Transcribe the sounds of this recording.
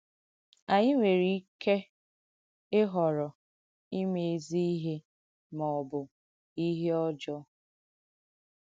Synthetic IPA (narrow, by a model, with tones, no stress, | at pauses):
a˨ɲɪ˦ŋʷe˨ɾi˨i˦ke˦ | ɪ˦ɦɔ˨ɾɔ˨ | i˦me˨e˨zi˦i˦ɦe˦ | mɔ˨bʊ˨ | i˦ɦe˦ɔ˦d͡ʒɔ˦